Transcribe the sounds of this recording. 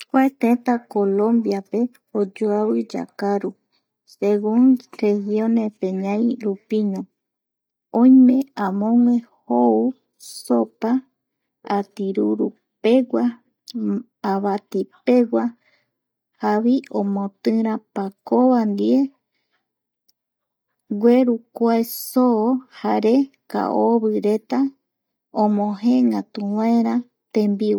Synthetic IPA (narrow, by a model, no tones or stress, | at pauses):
kʷaet̪ẽt̪akolõmbjape̞ | od͡ʒoaβɨd͡ʒa̰kaɾu | seɡuŋɾehiõnepẽɲãĩɾupiɲõ | õĩmẽãmõŋʷẽhou | sopa | at̪iɾuɾu | pe̞wa | βat̪ipe̞wa | haβiʔõmõt̪ɨ̃ɾ̃ãpakoβand̪ie | wʷeɾukʷaesohaɾeka̰ʔoβɨɾe̞t̪a | õmõɦẽŋat̪ũwãẽɾ̃ã | t̪ẽmbi